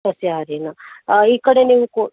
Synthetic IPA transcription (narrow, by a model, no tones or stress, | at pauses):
ɐsjaːɾenɐiːkɐɽeniːʋuko